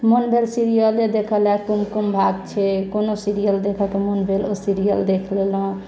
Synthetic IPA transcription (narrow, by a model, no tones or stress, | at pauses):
monbʱelsiɾijəled̪ekʰəlakumkumbʱaɡ̚t͡ʃʰɛkonosiɾijəld̪ekʰəkemonbʱelosiɾijəld̪ekʰlelõ